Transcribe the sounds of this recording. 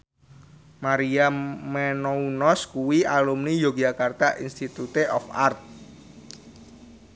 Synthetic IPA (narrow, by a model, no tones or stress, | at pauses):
maɾiamenounɔskuwialumnijoɡ̥d͡ʒakart̪aʔinst̪it̪ut̪eʔɔfa̰rt̪̚